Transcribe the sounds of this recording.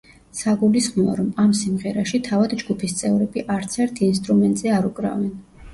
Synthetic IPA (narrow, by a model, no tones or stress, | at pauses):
saɡulisχmɔa̰ɾɔmamsimʁɛɾaʃit̪ʰavad̪d͡ʒɡupʰist̪sʼɛvɾɛbiʔaɾt̪sʰɛɾt̪ʰiːnst̪ʼɾumɛnt̪ʼzɛaɾukʼɾa̰vɛn